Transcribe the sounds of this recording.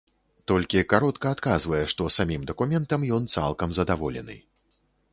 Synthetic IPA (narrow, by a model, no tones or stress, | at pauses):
t̪ɔlʲkʲikaɾɔt̪kɐːt̪kazvɐjɛʂt̪ɔsamʲimd̪ɐkumʲɛnt̪ɐmjɔnt̪sa̰lˠkɐmzɐd̪avɔlʲɛ̰nɨ̰